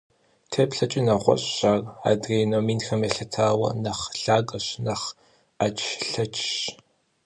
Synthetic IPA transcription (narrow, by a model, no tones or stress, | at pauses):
tʰeːpɬɐt͡ʃʼɪnɐʁʷɔ̰ɕʼɕaːra̰ːdreːnoːmiːnxɐmjɛɬɐtʰaːwɐ̰nɐχɬaːkʼɐɕnɐχ | at͡ʃʰɬɐt͡ʃʰʼɕ